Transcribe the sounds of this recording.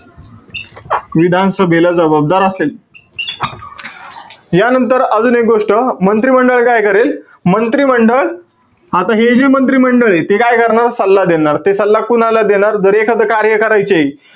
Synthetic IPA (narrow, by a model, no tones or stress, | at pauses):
ʋid̪ʱansəbʱelad͡zəbab̚d̪aɾəsel | janənt̪əɾəd͡zuːnek̚ɡoʂʈəmənt̪ɾiːməɳɖəɭkajkəɾel | mənt̪ɾiːməɳɖəɭ | at̪aɦed͡ʑemənt̪ɾiːməɳɖəɭet̪ekajkəɾɳaɾsəlːad̪enaɾt̪esəlːakunalad̪eɽ̃aɾd͡zəɾekʰəd̪kaɾjəkəɾajt͡ɕei